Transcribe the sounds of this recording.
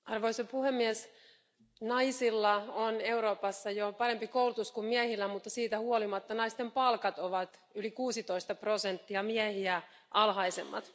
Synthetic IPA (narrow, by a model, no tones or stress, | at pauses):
ɑrʋoisopuhemːiɛs | nɑisilːɑone̞uɾoːpɑsːɑjopɑɾempikoulut̪uskummiæhilːæmut̪ːɑsiːt̪æhuolimɑt̪ːɑnɑist̪empɑlkɑt̪oʋɑt̪ | ylikuːsit̪oist̪ɑprosent̪ːiɑmiæhiæ | ʔɑlɦɑisḛmːɑ̰t̪